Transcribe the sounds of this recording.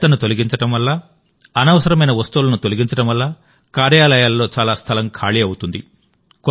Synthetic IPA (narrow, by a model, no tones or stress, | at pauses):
t̪ɐnut̪o̞liɡiɲt͡ʃɐʈɐmʋɐlːa | ɐnɐʋɐsɐɾɐmɐjnɐʋɐst̪uulɐnut̪oliɡiɲt͡ʃɐʈɐmʋɐlːa | kaːɾjaːlɐjaːlːo̞ːt͡ʃaːlaːst̪ʰɐlɐŋkʰaːɭiɐwut̪und̪i | k